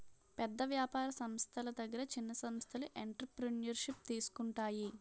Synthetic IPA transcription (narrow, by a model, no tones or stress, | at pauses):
pɛd̪ːɐʋjaːpaːɾɐsɐmst̪ʰɐlɐd̪ɐɡːɐɾɐt͡ʃinːɐsɐmst̪ʰɐluʔeɳʈɾɐpɾinijɐɾʂip̚t̪iːsu̥kuɳʈaːji